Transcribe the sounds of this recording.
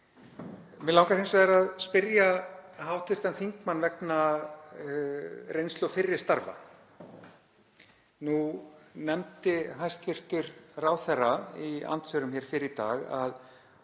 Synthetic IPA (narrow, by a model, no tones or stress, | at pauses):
mɛlawŋkaɾejnsɛɾaðspɪɾjahawht̪ɪɾ̥t̪anθiŋkmanːvɛkna | rejnst̪lɔfɪrːɪ̥st̪aɾva̰ | nunɛmt̪ɪɦajst̪vɪr̥t̪ʏɾraːwθɛrːaia̰nt̪sœɾʏmçɛɾ̥fɪɾɪt̪a̰ːɣa̰ð